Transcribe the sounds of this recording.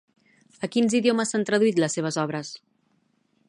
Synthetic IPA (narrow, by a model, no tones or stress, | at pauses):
əkinziðioməsant̪ɾəðuit̪ləsːeβ̞əzɔβ̞ɾəs